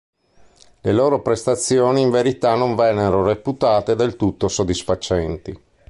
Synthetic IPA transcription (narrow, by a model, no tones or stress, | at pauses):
leloːɾopɾest̪at̪sːjoːniːɱveɾit̪anːoɱvɛnːeɾoreput̪aːt̪ed̪elt̪ut̪ːosod̪ːisfat͡ʃɛnt̪i